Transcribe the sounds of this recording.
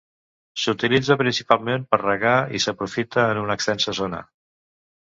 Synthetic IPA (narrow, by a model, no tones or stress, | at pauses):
sut̪ilid͡zəpɾinsipalˠmempəɾrəɣaḭsəpɾufit̪əːnunəkst̪ɛnsəzonə̰